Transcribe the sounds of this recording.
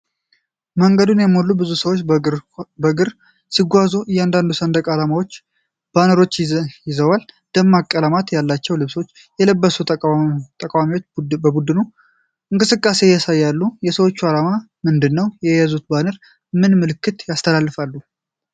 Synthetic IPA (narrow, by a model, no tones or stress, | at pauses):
məŋɡəd̪unjɛmːolːubɨzusəwot͡ʃː | bəɡɨɾ | siɡʷazujɛand̪and̪usənd̪əkʼalamawo̞t͡ʃː | b̥anəɾot͡ʃːjɪzəwal | d̪̥əmːakʼːələmat̪jalːat͡ʃːɛwlɨβsot͡ʃː | jɛləbːəsut̪ʼəkʼawamiwo̞t͡ʃːbəbud̪ɨnu | ɨŋkʼɨsɨkʼːase̞jasajːalːujɛsəwo̞t͡ʃːualama | mɨnd̪ɨnːəwjɛjazut̪̚banəɾ | mɨnmɨlɨkʰːɨt̪jast̪ʰəlalːɨfalːu